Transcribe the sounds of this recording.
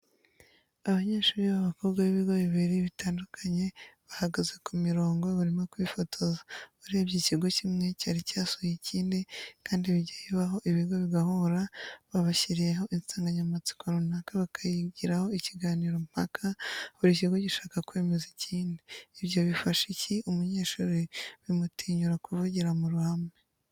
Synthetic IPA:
aβaɲe̞ːʃuːɾiβaβakoβɡaβiβiɾɡo̞βiβiɾiβitaːndukʰaɲe̞βahaɡazekumiɾo̞ːŋɡoβaɾimokwiːfotʰozḁβuɾiebɟiciɡo̞cimŋecaːɾicaːsujiciːndikaːndiβiɟajiβaɦo̞ʔiβiɡo̞βiɡahuɾaβaβaçiɾijeɦo̞ʔinsaːŋɡaɲamat͡si̥koɾonakaβakʰajiɡiɾaho̞iciɡaːniːɾo̞m̥akʰaβuɾiciɡo̞ɟiʃaːkakweːmeziciːndiːβjo̞βifaʃiciʔumuɲe̞ːʃuːɾeβimutiːɲuɾakuvuɟiɾamuɾuhamŋe

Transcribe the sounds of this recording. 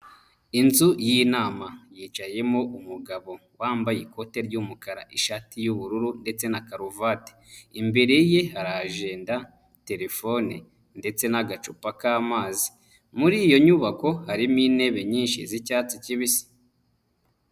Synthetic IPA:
inzujinaːmajiːt͡ʃaje̞mo̞ʔumuɡaβo̞ | waːmbajiko̞te̞ɾɟumukaɾaʔiʃaːtijuβuɾuɾunde̞t͡se̞nakaɾuvate̥imbe̞ɾe̞je̞haɾaʒe̞ːnda | te̞ɾe̞fo̞nḭ | nde̞t͡se̞naɡat͡ʃupakaːmaːzi̥ | muɾijo̞ɲuβako̞haɾimiːne̞βe̞ɲiːnʃizicaːt͡siciβisi̥

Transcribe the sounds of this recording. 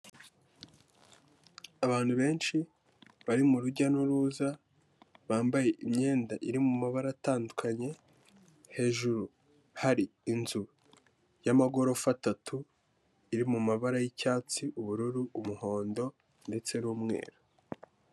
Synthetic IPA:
aβaːn̥huβe̞ːnʃi | βaɾimuɾuɟanuɾuːza | βaːmbaje̞ʔimɲe̞ːndaʔiɾimumaβaɾataːndukʰaɲe̞ | he̞ːʒuɾu | haɾiːnzu | jamaɡo̞ɾo̞fatatʰu | iɾimumaβaɾajicaːt͡siʔuβuɾuɾuumuho̞ːndo̞ | nde̞t͡se̞nuːmŋe̞̰ːɾa

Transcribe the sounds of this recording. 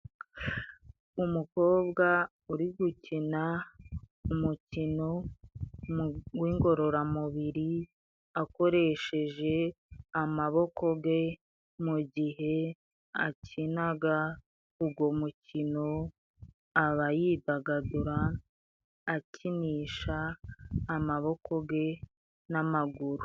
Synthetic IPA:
umuko̞ːbɡa | uɾiɡucina | umucino̞ | wiːŋɡo̞ɾo̞ɾamuβiɾi | ako̞ɾe̞ʃe̞ʒe̞ | amaβo̞ko̞ɡe̞ | muɟiɦe̞ | acʰinaɡa | uɡwo̞mucino̞ | aβajidaɡaduɾaː | ciniːʃaː | maβo̞kʰo̞ɡe̞ | namaɡuɾu̥

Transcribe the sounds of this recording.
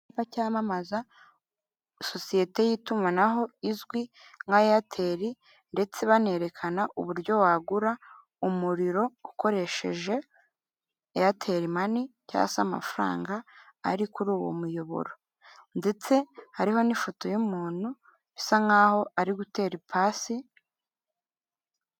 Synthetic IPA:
pacaːmamaza | so̞sije̞te̞jitumanaɦo̞izɡwi | ŋɡajojatʰe̞ːɾi | nde̞t͡se̞βane̞ːɾe̞kʰanaʔuβuɾɟo̞waːɡuɾa | umuɾiɾo̞uko̞ɾe̞ʃe̞̰ʒe̞ | jatʰe̞ɾimanica̰sa̰ma̰faɾa̰ːŋɡaːɾikuɾuːwo̰mujo̞βo̰ɾo | nde̞t͡se̞haɾiɦo̞nifoto̞jumuːn̥hu | βisaŋaːho̞ʔaɾiɡute̞ːɾipʰaːsi

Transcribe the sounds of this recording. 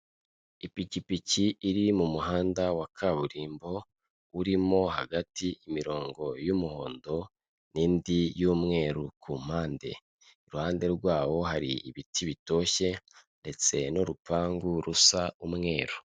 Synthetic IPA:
ipicipiciːɾimumuɦaːndawakʰaβuɾiːmbo̞ | uɾimo̞ha̰ɡatiimiɾo̞ːŋɡo̞jumuho̞̰ːndo̞ | niːndijuːmŋe̞ːɾukʰuːm̥haːnde̞̰ | iɾuhaːnde̞ɾɡwaːwo̞ɦaɾḭiβitʰiβito̞ːe̞nde̞t͡se̞no̞ɾupaːŋɡuɾusaumŋe̞ːɾu

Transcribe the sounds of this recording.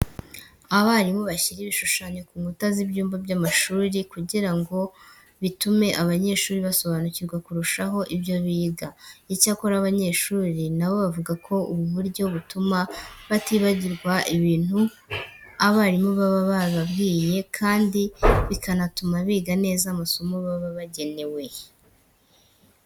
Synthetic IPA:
aβaɾimoβaçiɾiβiʃuʃaɲo̞kuːŋɡutazibjuːmbabjamaʃuːɾikuɟiɾaŋɡo̞ | βitume̞ʔaβaɲe̞ːʃuːɾiβaso̞βanuciɾɡwakuɾuʃaɦo̞ʔibjo̞βiːɡaicakoɾaβaɲe̞ːʃuːɾinawo̞βavuɡakʰo̞ʔuβuβuɾɟo̞βutumaβatiːβaɟiɾɡwaʔiβiːn̥u | aβaɾimuβaβaβaβabɡiːje̞kʰaːndiβikʰanatumaβiːɡane̞ːzamasomuβaβaβaɟe̞ne̞we̞

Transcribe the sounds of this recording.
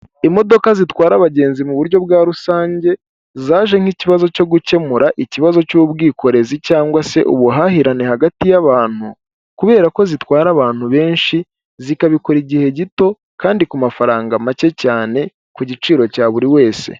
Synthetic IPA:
imo̞do̞kazitwaːɾaβaɟe̞ːnzimuβuɾjo̞βɡaːɾusaːɲɟe̞ | zaːʒe̞ŋ̥hiciβazo̞co̞ɡuce̞muɾaʔiciβazo̞cubɡiːko̞ɾe̞zicaːŋɡwase̞̰ʔṵβuɦahiɾane̞haɡatijaβaːn̥hu | kuβe̞ːɾako̞zitwaːɾaβaːn̥huβe̞ːnʃi | zikaβikoɾiɟihe̞ɟito̞ | kaːndikumafaɾaːŋɡamace̞caːne̞ | kuɟit͡ʃiːɾo̞caːβuɾiwe̞ːse̞̰

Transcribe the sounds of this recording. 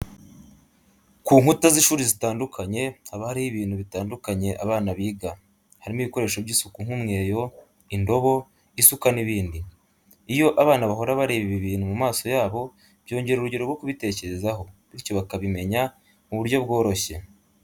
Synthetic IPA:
kuːŋhutaziʃuːɾizitaːndukʰaɲe̞haβahaɾihiβiːnhuβitaːndukaɲe̞ʔaβaːnaβiːɡa | haɾimuβiko̞ɾe̞ːʃo̞βɟisukuŋ̥umŋe̞ːjo̞ | indo̞βo̞ | isukaniβiːndi | ijo̞ʔaβaːnaβaɦo̞ɾaβaɾe̞ːβiβiβiːnhumumaːsojaːβo̞ | b̥jo̞ːɲɟe̞ɾuɾuɟeɾoɾɡwo̞kuβite̞ːce̞ɾe̞zaɦo̞βiɾcoβakaβime̞ɲa | muβuɾjo̞bɡo̞ːɾo̞çe̞

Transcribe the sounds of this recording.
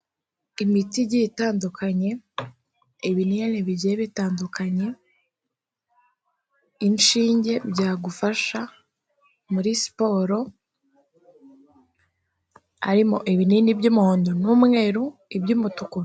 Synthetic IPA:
imitiɟitaːndukʰaɲe̞ | iβinijaniβiɟeβitaːndukaɲe̞ | inʃiːɲɟe̞bɟaːɡufaʃa | muɾisi̥po̞ːɾo̞ | a̰ɾimo̞̰ʔiβinindibɟumuoːndunuːmŋeːɾuibɟumutuko

